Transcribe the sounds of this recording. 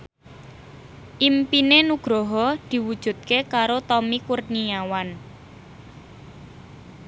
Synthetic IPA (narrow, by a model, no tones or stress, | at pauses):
ʔimpinenuɡ̥ɾɔɦɔd̪̥i̤wud̥ʒ̥ṳt̪̚kekaɾot̪ɔmikurniawan